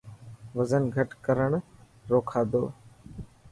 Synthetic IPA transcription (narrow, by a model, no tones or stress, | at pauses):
ʋəzənɡʱəʈkəɾəɳ̃ | ɾoːkʰaːd̪o̰ː